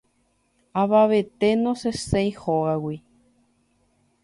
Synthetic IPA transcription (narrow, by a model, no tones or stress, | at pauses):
aβaβet̪enõsesejhoawi